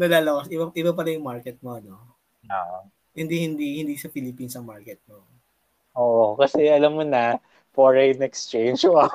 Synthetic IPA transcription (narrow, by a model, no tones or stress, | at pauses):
nɐlaːlɐkɐsʔɪbɐʔɪbɐp̬ɐlɐjʊŋmaɹkɛt̪̚moɐno | oʔ | hɪnd̪ihɪnd̪ihɪnd̪isɐpɪlɪpiːnsɐŋmaɹkɛt̪̚mo | ʔoːʔokɐsɛʔɐlɐmːonɐ | poɹɐjɪnɛkst͡ʃejnd͡ʒoɐ